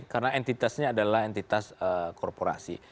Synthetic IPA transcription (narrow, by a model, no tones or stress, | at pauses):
karənaʔent̪it̪asɲaːdalaɦent̪it̪asəkʰɔrpoɾa̰sḭ